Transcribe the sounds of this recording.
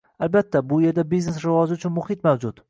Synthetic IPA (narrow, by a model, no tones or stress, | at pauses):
albat̪ːabʊje̞ɾd̪abiznesɾɪvɒzɪʊt͡ʃʰʊnmʊhɪt̪mawd͡ʒʊt̪